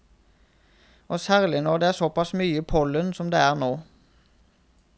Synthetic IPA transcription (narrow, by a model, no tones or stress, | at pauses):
ʔoːsæːʁlɪnɔʁd̪eːæːʁsɔpɑsmyːəpʰɔlənsɔmd̪ḛːæːʁnoː